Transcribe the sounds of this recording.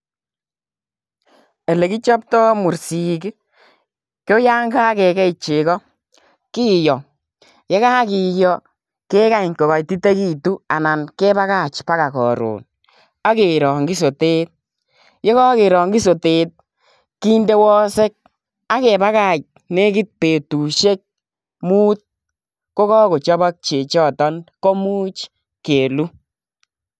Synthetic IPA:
ɛ˨le˨ki˦t͡ʃa˦p̚tɔ˦mu˨ɾsi˨k | kjo˦ja˦ŋɡa˦kɛ˨kɛ˦i˨t͡ʃe˨kɔ˦ | kiː˦jɔ˨ | je˦ka˦ki˨jɔ˨ | ke˦ka˦i˨ŋko˨ka˨jti˦te˦ki˦tu˦a˨na˨nkɛ˦ba˦ka˦˨t͡ʃpa˦ka˨kɔ̰˨ɾo̰ː˨n | a˦ke˨ɾɔ˨ŋɡi˦so˨te˦t̚ | je˦kɔ˦ke˨ɾɔː˨ŋɡi˦s̬o˨te˨t̚ | ki˦nde˦wɔ˦se˦k̚ | a˦ke˨ba˦ka˦˨t͡ʃ̚ | ne˦ki˦t̚pe˨tu˨ʃe˦k̚ | muː˦t̪̚ | ko˦kɔ˦ko˨t͡ʃɔ˦ba˦k̚t͡ʃe˨t͡ʃɔ˦tɔ˦nkɔ˦mu˦t͡ʃ | keː˨lu˦

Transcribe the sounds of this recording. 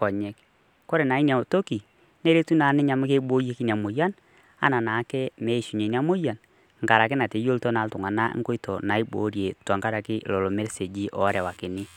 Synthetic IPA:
kɔ˨ɲɛ˦k | ko˦ɾe˨na˨i˦nja˨to˦ki˨ | ne˦ɾe˦tu˦na˨˦nɪ˦ɲa˨m˦ke˦ɓo˦je˦ki˦nja˨mo˨ja˦n | a̰˦na˨na˨˦kɛ˦mɛ˨˦˨ʃu˨ɲe˨n˦a˦mo˦ja˨n | ŋ̩ka˨ɾa˨kɪ˦na˨te˨˦jo˦ltɔ˦na˨˦ltʊ˨ŋa˨na˦ʔŋko˦i˦tɔ˨na˨i˦ɓo̰˨˦ɾje˨twa˨ŋka˦ɾa˨kɪ˦˨lɔ˨lo˨me˦ɾse˨d͡ʒi˦ʔɔ˨˦ɾɛ˨wa˨kɪ˨nɪ˦

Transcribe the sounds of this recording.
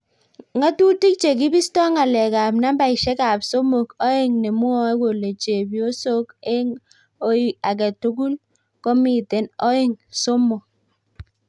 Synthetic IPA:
ŋa˦tu˦ti˦k̚t͡ʃe˨k̬i˦bi˦stɔ˦ŋa˨lɛ˨ka˨pna˦mba˦i˨ʃɛ˦ka˨pso˦mo˨kɔ˦i˦˨ŋnɛ˨mu˦ɔ˦e˦ko˨le˨t͡ʃe˨bjo˦so˦ke˦ŋ | o˦i˦˨a˨k̬ɛ˨tu˦ɡu˦l | kɔ˦mi˨te˨nɔ˦i˦˨ŋso˦mo˨

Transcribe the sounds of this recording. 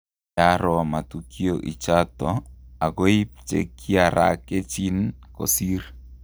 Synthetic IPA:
jaɾɔ˨ma˨tukʰioʔḭ˨t͡ʃat̪ɔa˨ko˦i˦p̚t͡ʃḛ˨kːi˦a˨ɾa̰ke˦t͡ʃi˦nkɔ̰˨si˦r

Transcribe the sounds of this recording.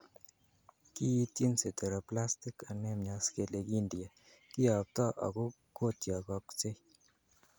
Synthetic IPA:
ki˦i˦tje˦nse˨te˨ɾɔ˨pla˦sti˦ka˨nɛ˦mɲa˨ske˨le˨ki˦ndja˨ | kɪ˦ɔ˨p̚tɔ˦ʔɔ̰˨ɡʊ˦ | ko˦˨tjɔ˨kɔ˨kt͡ʃe˦

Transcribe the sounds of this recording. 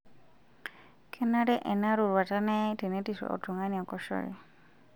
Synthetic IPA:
kʰɛ˦na˦ɾɛ˦ʔɛ˨na˦ɾu˨ɾwa˨ta˦nɛ˦tɛ˨ne˦tiʃwɛ̰ʔɔ̰˨tu˨ŋa˦ni˨ɔ˨kɔʃɔ̰ɾḭ

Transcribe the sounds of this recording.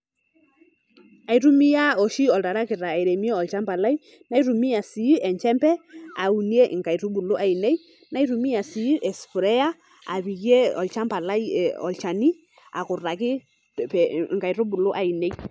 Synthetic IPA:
a˨jɾu˦mi˦ja˦ɔ˨ʃi˦ɔ˨lta˨ɾa˦kɪ˨ɾa˨a˨jɾe˨mi˦e˦ɔ˨lt͡ʃa˦mpa˨la˦j | na˦jɾu˨mi˦a˨si˨˦ʔɛ˨ɲt͡ʃɛ˦mpɛ˦a˨u˨ni˦e˦ʔɪ˨ŋka˨jɾu˦bu˨lu˦ʔa˨i˨ne˦j | na˦jɾu˨mi˦a˨si˨˦ʔɛ˨sfu˨ɾɛ˦a˦ | a̰˨βi˨ɡje˦ɔ̰˨lt͡ʃa˦mpa˨la˦jɔ̰˨lt͡ʃa˨ni˦ | a̰˨kʊ˨ra˨kɪ˦ | pŋka˨jɾu˦bu˨lʊ˦ʔa˨i˨ne˦j

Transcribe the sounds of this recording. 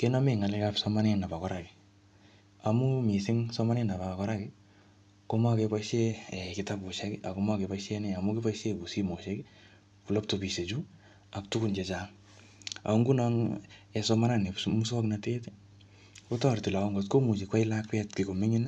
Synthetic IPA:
ke˦nɔ˦me˦˨ŋa˨le˦kapsɔma˦ne˦na˨pa˨kɔ˦ɾaki̥˨ | a˨mu˦mi˨sɪ˦ŋsɔ˦ma˦ne˦na˨ba˨kɔ˦ɾa˦kɪ˦ | ko˦ma˦ke˧pa˦ʃe˦ɛ˨kɪ˨ta˦pu˨ʃe˦ki˦ʔa˨ko˦ma˦ke˨pa˦ʃe˦nɛ˦a˨mu˦ke˦pa˦ʃe˦ku˨si˦mo˨ʃe˦ki | ku˨lo˦p̚topi˨se˨t͡ʃu˦ | a˨k̚tu˦kunt͡ʃe˨t͡ʃaŋ | a̰˨˦ŋɡu˦nɔ˦ŋɛsɔma˦na˦ne˨pmu˦sɔ˦kna˨te˦te | ku˦tɔ˦˨rti˨la˨ɔ˦ŋɡo˨tko˦mu˨t͡ʃi˨kwa˦i˦la˦kwɛ˦tki˨ko˨me˦ɲi˦n

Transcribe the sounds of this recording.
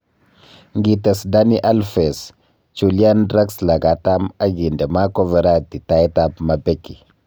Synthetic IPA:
ŋɡi˨te˨sda˦ni˦ʔa˦lfe˨s | t͡ʃu˨li˦a˦ndɾa˦ksla˨ɡa˨ta˦ma˦ɡi˨nde˨ma˦ko˦ve˨ɾa˦ti˨ta˨jta˦pma˨be˦ki˨

